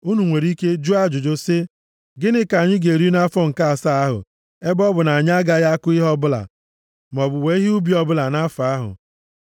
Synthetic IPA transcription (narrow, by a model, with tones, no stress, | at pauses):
u˦nu˨ŋʷe˨ɾi˦ke˦d͡ʒu˦a˦d͡ʒʊ˨d͡ʒo˦sɪ˦ | ɡɪ˦nɪ˦ka˨ɲɪ˦ɡe˨ɾi˦na˦fɔ˦ŋ̩˨ka˦a˨sa˦a˦ɦʊ̰˨ | e˦bɔ˦bʊ˨na˨ɲ˦a˦ɡa˦ja˦kʊ˦ɪ˦ɦɔ˦bʊ˦la̰˨ | m˨ɔ˨bʊ˨we˨˦i˦ɦu˦bi˨˦ɔ˦bʊ˦la˨na˦fa˦ɦʊ̰˨